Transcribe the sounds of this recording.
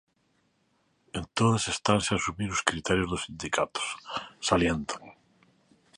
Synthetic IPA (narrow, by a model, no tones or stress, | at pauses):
ent̪oðasest̪anseasumiɾʊskɾit̪ɛɾjozðosind̪ikʰat̪o̥ssaljent̪ʰaŋ